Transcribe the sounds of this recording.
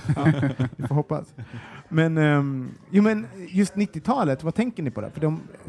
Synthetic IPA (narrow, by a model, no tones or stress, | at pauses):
vɪfɔːɾɦɔpːa̰smɛn | juːmɛnjɵst̪nɪt̪ːɪt̪ʰɑːlət̪vat̪ʰɛŋkəɳɪpʰɔd̪ɛ̰fœɖɔm